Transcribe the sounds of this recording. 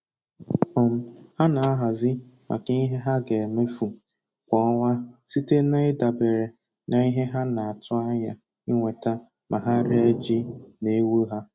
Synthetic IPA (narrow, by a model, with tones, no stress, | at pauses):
ɔ˨m̩˨ha˦na˨a˦ɦa˨zɪ˦mʔa̰˨ka˦i˦ɦe˦ɦa˦ɡe˨me˦fu˨ | kʷɔ˦ŋʷa˦si˦te˦na˦ɪ˦da˨be˨ɾe˨ | na˨i˦ɦe˦ɦa˦na˨a˨tʊ˦a˦ɲa˦ | ɪ˦ŋʷe˨ta˦ | mʔa˨ɦa˦ɾe˦d͡ʒi˦ne˨˦wu˦ɦa˦